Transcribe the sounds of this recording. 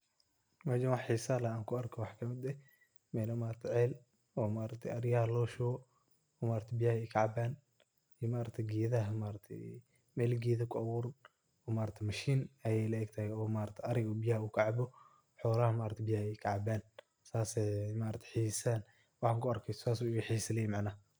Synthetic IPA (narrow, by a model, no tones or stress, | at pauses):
mɐd͡ʒɐnwɑħħiːsaːlɐaːŋkʰʊɐrkʰɔwɑħkʰɐmɪd̪ɛ | mɛːlɐmaːɾɐt̪ʰɛʕɛːl | ɔːmaːɾɐk̚t̪ʰɛʔɐɾjahlɔːʃɔɔ | ɔːmaːɾɐt̪ʰɪbɪjaːhɛjkʰaʕɑbaːn | ijmaːɾɐt̪ʰɛɡiːðɐɦɐmaːɾɐt̪ʰɛ̰ | mɛːlɡɛːðɐkʰʊʔɐwuːɾn | ɔːmaːɾɐt̪ʰɛmɐʃiːnɐjɛjlɐɛɡ̚t̪ʰɐhɛɔːmaːɾɐt̪ʰɛɐɾɪɣɔbɪjahuːkʰaʕɑbɔ | ħɔːlɐhɐmaːɾɐt̪ʰɪbɪjahɛkʰɐʕɑbaːn | saːsɛmaːɾɐt̪ʰɛ̥ħisan | wɑħkʰʊɐrkʰɛjsɔ̥saːsuɪɐħisɐlɛjɛmaʕnaː